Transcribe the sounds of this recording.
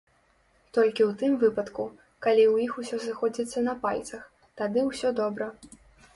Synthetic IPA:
t̪ɔlʲkʲiwt̪ɨmvɨpɐt̪ku | kalʲiwjixusʲɔsɨxɔd͡zʲit̪sːɐnɐpalʲt̪sɐx | t̪ad̪ɨwsʲɔd̪ɔbɾɐ

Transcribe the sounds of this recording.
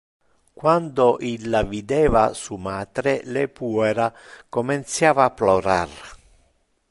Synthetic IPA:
kwand̪oʔilːavid̪ɛːva̰sumaːt̪ɾelɛpuːɛɾakomint̪sjaːvaːpːloɾar

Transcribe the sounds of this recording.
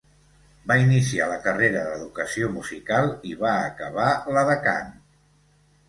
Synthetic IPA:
bainisialəkəreɾəðəðukəsiomuzikalˠiβaəkəβ̞aləðəka̰n

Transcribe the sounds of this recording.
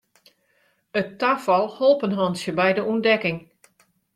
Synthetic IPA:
ətːafɑlˠholˠpənɦɑnsjəbɛjdəʔundɛkɪŋ

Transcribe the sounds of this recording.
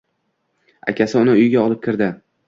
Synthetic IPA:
a̰kʲʰasɪʊnɪʊjɡʲaɒlˠɪp̚kʲɪɾd̪ɪ

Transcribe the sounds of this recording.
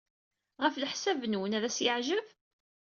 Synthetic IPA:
ʁəfləħsævnwənæðæsjəʕʒəv

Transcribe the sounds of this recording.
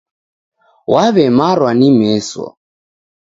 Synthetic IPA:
waβɛmaɾwanimɛswɔ̰

